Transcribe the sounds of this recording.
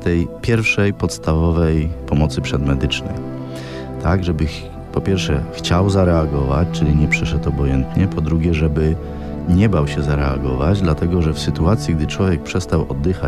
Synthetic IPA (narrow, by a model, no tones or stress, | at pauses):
t̪ɛjpʲjɛɾfʂɛjpɔt̪st̪avɔvɛjpɔmɔt̪sɘpʂɛd̪mɛd̪ɘt͡ʂnɛ̰j | t̪ʰaɡʐɛbɘ | pɔpʲjɛɾfʂɛxt͡ɕawzaɾɛaɡɔva̰t͡ɕt͡ʂɘlʲiɲɛpʂɛʂɛt̪ɔbɔjɛnt̪ɲɛpʰɔd̪ɾuɡʲjɛʐɛbɘ | ɲɛbawɕɛzaɾɛaɡɔva̰d͡ʑd̪lat̪ɛɡɔʐɛfsɘt̪uat̪sʲjiɡ̚d̪ɘt͡ʂwɔvʲjɛk̚pʂɛst̪awɔ̰d̪ːɘxa